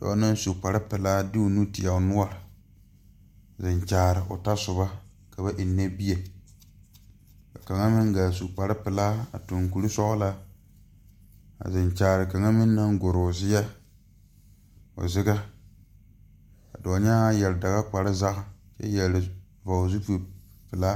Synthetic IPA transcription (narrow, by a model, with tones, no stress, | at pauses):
d̥ɔ̰ː˨˦na˦n˦su˨k͡pa˨ɾɪ˦pɪ˨laː˦dɪ˦ʊ˨nu˦tɪ˨a˨ʊ˨nʊ˦ɔ˨ɾɪ˨ | zɪ˨ɲt͡ʃaː˨ɾɪ˨ʔʊ̰˨ta˦sʊ˨ba˦ | ka˨ba˦ʔɪ˨nːe˦bi˦e˨ | ka̰˨ka˨ŋa˦mɪ˦ŋɡaː˨s̬u˨k͡pa˨ɾɪ˦pɪ˨laː˦a̰˨tʊ˨ŋku˨ɾi˦sɔ˦ʔʊ˦la˦ | a̰˨zɪ˨nt͡ʃaː˨ɾɨ˨ka˨ŋa˦mɪ˦nː˦a˦ŋɡo˨ɾʊ˨zɪ˦ja˦ | ʊ̰˨zɪ˦ɡa˦ | ka̰˨dɔː˨ɲa˦jɛ˨lɪ˨da˨ɣa˦k͡pa˨ɾɨ˦za˦ʔt͡ʃɛ̰˦jɛ˨ɪ˨ | va˨zu˦ku˨ | pɪ˨la˦